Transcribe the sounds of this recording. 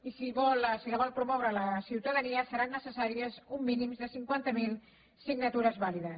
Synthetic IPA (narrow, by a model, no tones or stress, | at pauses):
isiβɔlsiləβɔlˠpɾumɔwɾələsiwt̪əðəniəsəɾanːəsəsaɾiəzumːinimzðəsiŋkwant̪əmilˠ | siɡnət̪uɾəzβaliðəs